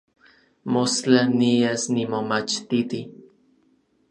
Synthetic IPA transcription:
most͡ɬaniesnimomat͡ʃt̪it̪i

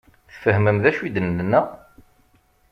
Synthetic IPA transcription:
θfəhməmðæʃid̪ənːənːæ

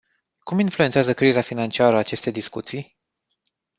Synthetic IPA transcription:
kuminfluent̪seazəkɾizafinant͡ʃiaɾəat͡ʃe̞st̪e̞jd̪iskut̪sij

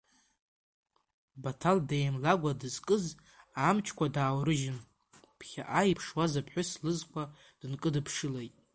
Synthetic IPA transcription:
batʰaldejmlaɡʷadɨzkʼɨz | amt͡ʃʰkʷadaːwrɨʒɪn | pʰχʲa̰ʔajipʰʂwazapʰħʷᶣʊslɨzkʷʰa | d̥ɨnkʼɨdɨpʰʂɨlejtʼ

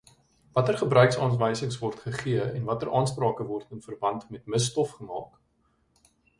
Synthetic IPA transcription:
vɐtərχəbrœɥksɑːnvəjsəŋsvɔrtχəχiəɛnvɐtərʔɑːnsprɑːkəvɔrtənfərbɐntmɛtməstɔfχəmɑ̰ːk

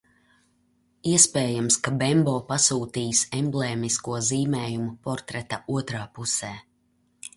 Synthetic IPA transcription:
iɛspɛːjamskabɛmboːpasuːt̪iːsɛmbleːmiskuɔziːmɛːjumupɔɾt̪ɾɛt̪auɔt̪ɾaːpusɛː

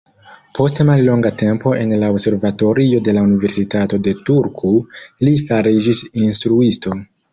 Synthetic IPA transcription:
pʰo̞stemallo̞ŋɡate̞mpo̞ʔe̞nlaobse̞ɾvato̞ɾio̞de̞launive̞ɾsitato̞de̞tuɾkʰulifaɾid͡ʒisinstɾuisto̞

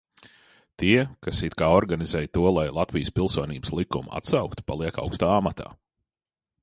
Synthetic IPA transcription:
t̪iɛkasit̪kaːɔɾɡanizɛːjt̪uɔlˠajlˠat̪vijspilˠsuɔniːbə̥slˠikuma̰t̪sɑwkt̪u̥pa̰lˠiɛka̰wkst̪aːamat̪ʰa̰ː

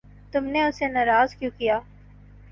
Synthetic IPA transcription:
t̪ʊmneʊsenɐːɾaːzkjũkijaː

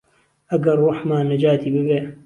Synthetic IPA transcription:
ʔɐɡɐrːuħmaːnːɐd͡ʒaːt̪ʰiːbɨbeː

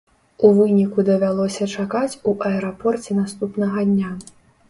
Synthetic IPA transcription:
uvɨnʲikud̪ɐvʲalˠɔsʲɐt͡ʂakat͡sʲuʔɐɛɾapɔrt͡sʲɛnast̪upnɐɣɐd̪ʲnʲa

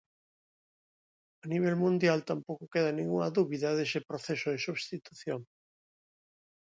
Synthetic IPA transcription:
ɐniβ̞elmũnd̪jalt̪ampowkʊkeðɐnĩŋɡuŋɐðuβiðɐðesɪpɾoθesʊðɪsuβst̪it̪uθjoŋ

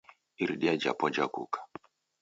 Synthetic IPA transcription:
iɾɗiad͡ʒa̰pɔd͡ʒakṵkḁ

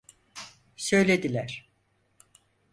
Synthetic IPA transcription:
sø̞jlʲe̞d̪ilʲæɾ̥

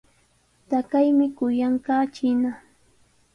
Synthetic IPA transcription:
t̪akajmɪkʊjaɴɢɑːt͡ʃɪna

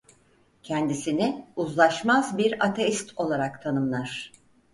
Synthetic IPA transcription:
cʰɛnd̪isinɪuzlˠaʃmazbiɾat̪ʰeist̪ʰo̞lˠaɾakt̪ʰanɯmlˠaɾ̥

